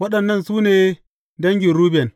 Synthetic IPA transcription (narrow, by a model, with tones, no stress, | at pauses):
wɐ˦ɗɐ˨nːɐ˦˨nsuː˦neː˨ | dɐ˦ŋɡʲi˨ɾuː˦bɛ˨n